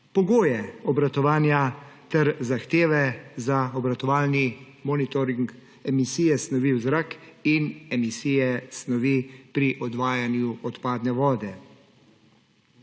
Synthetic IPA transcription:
pɔɡoːjɛɔbɾat̪ɔʋaːnjat̪ɛɾzaxt̪eːʋɛzaɔbɾat̪ɔʋaːlni | mɔːnit̪ɔɾiŋk | ɛmisiːjɛsnɔʋiwzɾaːkinɛmisiːjɛsnɔʋipɾiʔɔd̪ʋaːjanjuɔt̪paːd̪nɛʋɔːd̪ɛ

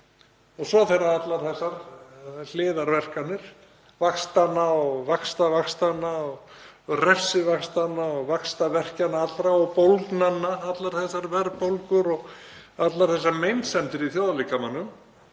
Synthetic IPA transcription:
ɔsvɔθɛɾaat̪laɾ̥θɛsːaɾl̥ɪːðaɾvɛr̥kanːɪɾ̥ | vakst̪anːaɔɣvakst̪avakst̪anːaɔɣ | rɛfsɪvakst̪anːaɔɣvakst̪avɛr̥canːaat̪lɾaɔɣpowlknanːaat̪laɾ̥θɛsːaɾvɛɾpowlkʏɾɔɣat̪laɾ̥θɛsːaɾmejnsɛnt̪ɪɾiθjoːðalikamanːʏm

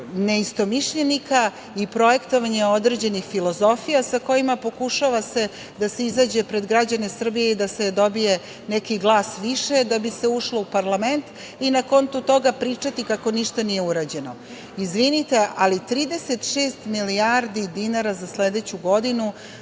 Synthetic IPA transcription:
neist̪o̞miʃʎenika | ipɾo̞je̞kt̪o̞ʋaɲeo̞d̪ɾe̞d͡ʑe̞nixfilo̞zo̞fijasako̞jimapo̞kuʃaʋase | d̪ase̞izaːd͡ʑe̞pɾe̞d̪ɡɾad͡ʑane̞sr̩bije̞id̪ased̪o̞bije̞ | nekiɡlˠaːsʋiʃe̞d̪abise̞uʂlo̞upaɾlame̞nt̪ | inako̞nt̪ut̪o̞ɡapɾiːt͡ʂat̪ikako̞niʃt̪anijeuɾaːd͡ʑe̞no̞ | izʋinit̪e̞ʔalit̪ɾiːd̪e̞set̪ʃeːst̪miliaɾd̪id̪inaɾazasled̪et͡ɕuɡo̞d̪inu

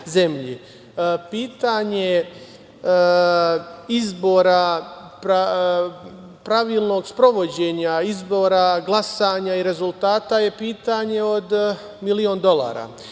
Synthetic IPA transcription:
ze̞mʎi | piːt̪aɲe̞ | izbo̞ɾapɾa | pɾaʋiːlˠno̞ɡspɾo̞ʋo̞d͡ʑe̞ɲaizbo̞ːɾaɡlˠasaɲaiɾe̞zulˠt̪aːt̪aje̞piːt̪aɲe̞od̪ | milio̞ːnd̪o̞lˠa̰ːɾa̰

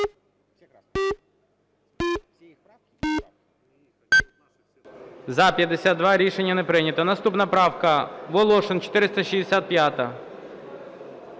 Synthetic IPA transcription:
zɐpʲjɐd̪ːesʲad̪̚d̪ʋɑɾʲiʃenʲːɐnepɾɪnʲɐt̪ɐnɐst̪upnɐpɾɑwkɐʋɔlˠɔʃɪnt͡ʃɔ̥t̪ɪɾɪst̪ɐʃizd̪esʲat̪̚pʲjat̪ɐ

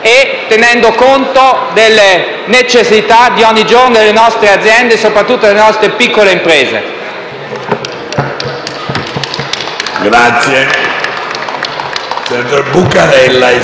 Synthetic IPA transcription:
et̪ːenɛnd̪okont̪od̪elːe | net͡ʃesːit̪ad̪iɔɲːid͡ʒornod̪elːenɔst̪ɾead̪zːjɛnd̪esopɾat̪ːut̪ːolelenɔst̪ɾepikːoleimpɾeːzḛ | ɡɾat̪sje | sɛnt̪ɾebukːaɾɛlːa

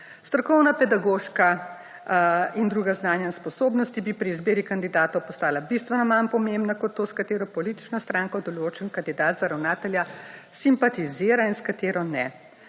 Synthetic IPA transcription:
st̪ɾɔkɔwnapɛd̪aɡoːʃka | ind̪ɾuːɡaznaːnjaspɔsoːbnɔst̪ibipɾiːzbeːɾikand̪id̪aːt̪ɔwpɔst̪aːlabist̪ʋɛnɔmanpɔmembnakɔt̪ːoːskat̪eːɾɔpɔliːt̪i̥t͡ʃnɔst̪ɾaːŋkɔd̪ɔloːt͡ʃənkand̪id̪aːd̪zaɾawnaːt̪ɛljasimpat̪iziːɾainskat̪eːɾɔnɛ

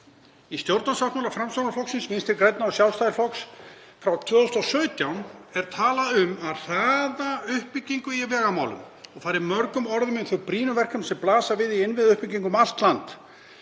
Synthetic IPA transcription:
ist̪jowɾt̪nasvaht̪mawlafɾamst̪awnaflɔksɪnsmɪnst̪ɪɾkɾejt̪naawsjawlst̪ajðɪɾflɔks | fɾawt̪ʰvœːðʏst̪ɔsœːɥt̪jawnɛɾ̥t̪ʰaːlaʏmaðθaðaʏhpɪcːiŋkʏiavɛːɣamaːwlʏ̰m | ɔɣfaːjɾɪmœɾkʏmɔɾðʏmɪnθœɾpɾiːnʏvɛr̥kamsɛmplaːsavɪðiɪnvɪðʏhpiciŋkʏmal̥t̪lant̪

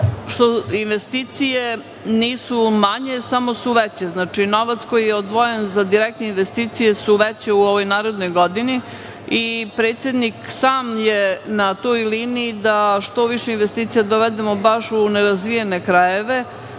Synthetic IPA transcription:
ʃt̪oinʋest̪iːt̪sije | niːsumaɲe̞samo̞suʋet͡ɕeznaːt͡ʂino̞ʋat̪sko̞jijeod̪ʋojenzad̪iɾɛk̚t̪neinʋest̪iːt̪sije̞suʋet͡ɕeuoʋo̞jnaːɾed̪no̞jɡod̪ini | ipɾeːt̪sje̞d̪niksaːmjenat̪ojliːniːd̪aʃt̪o̞ʋiʃeinʋest̪iːt̪sijad̪oʋed̪emo̞baʃuneɾazʋijenekɾajeʋe̞

